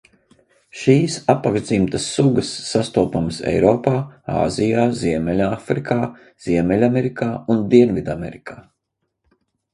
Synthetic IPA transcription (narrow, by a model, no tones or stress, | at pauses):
ʃiːsapːaɡʒd̪zimt̪əsːuɡəsːast̪uːpumsɛ̰jɾɔːpaːa̰ːzijaːziɛmʲɛlʲafɾikʰaː | z̥iɛmɛlʲamɛɾikʰaːund̪iɛnvid̪amɛ̰ɾikʰaː